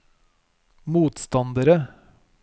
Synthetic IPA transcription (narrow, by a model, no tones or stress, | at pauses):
muːt̪st̪ɑnd̪əɾə